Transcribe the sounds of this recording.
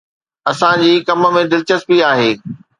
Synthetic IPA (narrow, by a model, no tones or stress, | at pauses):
ɐsãd͡ʑiːkɐmə̆mẽd̪ɪlt͡ɕəs̚piaːɦeː